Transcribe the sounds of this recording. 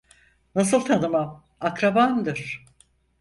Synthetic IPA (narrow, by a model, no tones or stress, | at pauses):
nasɯlˠt̪ʰanɯmam | akɾaband̪ɯɾ̥